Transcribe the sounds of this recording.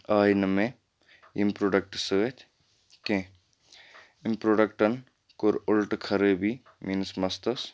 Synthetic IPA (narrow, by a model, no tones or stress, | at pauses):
aːinɐmẽ | impɾoːɖɐk̚ʈsəet̪ʰ | kẽ | impɾoːɖɐkʈɐn | koɾʊlʈkʰɐɾebi | miːnsmɐst̪ɐs